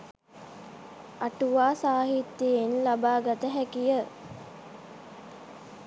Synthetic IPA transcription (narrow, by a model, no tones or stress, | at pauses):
aʈuʋaːsaːɦit̪ːjeenlabaːɡat̪əɦækijə